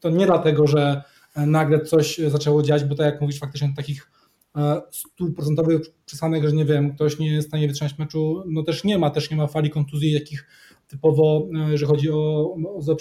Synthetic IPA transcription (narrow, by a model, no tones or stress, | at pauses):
t̪ɔɲɛd̪lat̪ɛɡɔʐɛ | naɡlɛt̪sɔɕzat͡ʂɛwɔd͡ʑaad͡ʑbɔt̪akjakmuvʲiʂfakt̪ɘ̥t͡ʂɲɛt̪akʲix | st̪upɾɔt̪ɛnt̪ɔvɘxt͡ʂɨ̥sanɛɣʐɛɲɛvʲjɛmk̚t̪ɔɕɲɛjst̪aɲɛvɨt̪ʂɨmat͡ɕmɛt͡ʂunɔt̪ɛʂɲɛmat̪ɛʂɲɛmafalʲikɔnt̪uzʲjit̪akʲix | t̪ɘpɔvɔjɛʐɛlʲixɔd͡ʑiɔːzɛ